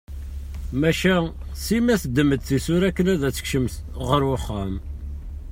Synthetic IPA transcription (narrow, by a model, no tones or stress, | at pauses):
mæʃæsimæθəd̪ːəməd̪θisuɾækːənæðæt͡sːə̥kʃəmθ | ʁəɾwʊχːam